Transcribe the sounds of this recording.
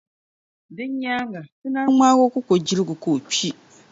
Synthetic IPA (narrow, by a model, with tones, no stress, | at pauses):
dɪ˦ɲ˦ɲa˦ŋɡa˨sɨ˦na˦ŋ͡maː˦ɣo˦kʊ˦ko˨d͡ʒi˦ɾɪ˦ɡʊ˨ko˨pi˦